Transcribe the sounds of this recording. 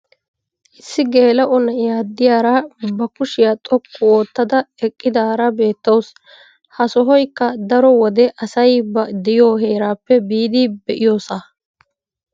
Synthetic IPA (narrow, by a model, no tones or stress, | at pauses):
ʔɪsːɪɡeːlɐʔɔnːɐjaːd̪ːɪjaːɾaːbɐkʊʃɪjat̪ʼɔkʰːʊo̞ːt̪ːɐd̪ɐɛkʼːɪd̪aːɾɐbe̞ːt̪ːɐws | hɐsɔɦɔjkːɐd̪ɐɾɔwɔd̪ɛʔɐsɐjbɐd̪ɛjo̞ːhe̞ːɾaːpːɛbiːd̪iːbɛʔɪjo̞ːsaː